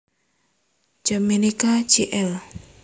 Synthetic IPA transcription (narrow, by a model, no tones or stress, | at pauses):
d͡ʒ̥amenikad͡ʒiʔɛl